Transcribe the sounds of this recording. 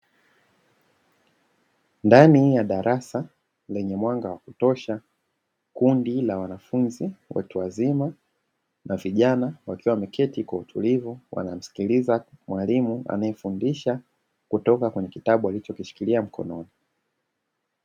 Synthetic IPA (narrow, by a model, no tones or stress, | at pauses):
ndanijaɗaɾʔasa | lɛɲɛmwaŋɡawakutɔʃa | kundilawanafunziwa̰tuwazima | naviʄanawakiwamɛkʰɛtikwautʰulivuwʔa̰nam̩si̥kilizamwalimua̰najɛfundiʃa | kutɔkakwɛɲɛkitaɓualit͡ʃɔkiʃi̥kiliam̩kʰɔ̰nɔni